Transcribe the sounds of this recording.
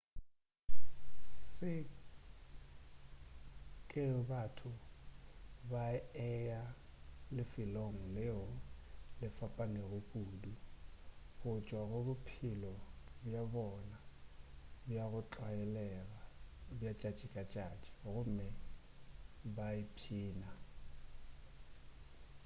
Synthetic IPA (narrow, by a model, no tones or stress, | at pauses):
sɪ | kʼɪbatʰʊ | baɛjalɪfɪloŋ̩lɪɔlɪfapʼaneɣʊkʼuːdu | ɣʊt͡ʃʼwaɣʊbʊpʰilɔbjabɔna | bjaɣʊt͡ɬʼwaɛlɛɣabjat͡ʃʼat͡ʃʼikʼat͡ʃʼat͡ʃʼi̥ɣʊmɛ | baipʰiːna